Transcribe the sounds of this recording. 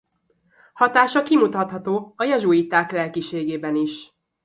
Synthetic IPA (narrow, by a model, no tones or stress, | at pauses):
hɒt̪aːʃɒkimut̪ɒt̪hɒt̪oːɒjɛʒujit̪ːaːklɛlkiʃeːɡeːbɛniʃ